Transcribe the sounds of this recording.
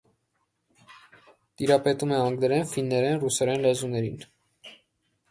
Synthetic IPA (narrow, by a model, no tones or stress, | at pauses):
t̪iɾɑpɛt̪umɛɑŋɡd̪əɾɛnfinːɛɾɛnrusɛɾɛnlɛzunɛɾḭn